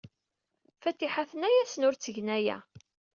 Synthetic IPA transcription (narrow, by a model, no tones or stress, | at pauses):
fæt̪ːiħaθənæjæsənʊɾt͡sːəʝnæjæ̰